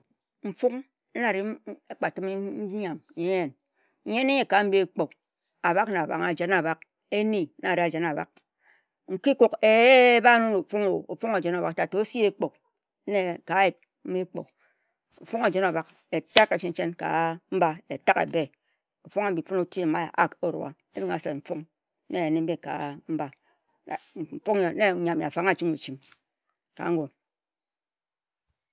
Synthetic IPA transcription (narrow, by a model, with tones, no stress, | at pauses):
m̩˨fu˦k̩˦ | na˨ɾi˦e˦k͡pa˨tɨ˦m̩˦a˨m˨je˦n̩˨ | je˦n˦e˦e˨ka˨˦m̩˦bi˦e˨k͡po˨k | a˨ba˦kna˨ba̰˨ŋa˨d͡ʒe˦na˨ba˨k | e˦ni˦na˨ɾi˦a˨d͡ʒe˨na˨ba̰˨k̚ | ŋ̩˨ki˦ku˨ke˨˦ba˦no˦no˨fu˦ŋo˨o˨fu˦ŋa˨d͡ʒe˨˦na˨ba˨ta˨to˨˦si˦e˦k͡po˨k̩̚˦ | ne˨ka˨˦ji˦˨p̚ | m̩˦i˦k͡po̰˨ | o˨fo˦ŋe˨d͡ʒe˨na˨ba˨k | e˨ta˦ka˨t͡ʃi˦n˦t͡ʃe˦nka̰˨m̩˦ba˦e˨ta˦kḛ˨be˦ | o˨fo˦ŋa˨m̩˨bi˨fu˦no˦ti˦e˨ma̰˦˨ʔa̰˦ko˦ɾo̰˨a̰˨ | e˦bi˦ŋa̰˨se˨m̩˨fo˦ŋ˦ | ne˦˨ne˦m̩˦be˦ka̰˨m̩˦ba˨ | m̩˨fo˦ŋ˨˦ne˦˨˦a˨mja̰˨fa˨˦ŋa˦˨t͡ʃi˦me˨t͡ʃi˦m | ka̰˨˦ŋ̩˦ɡo˨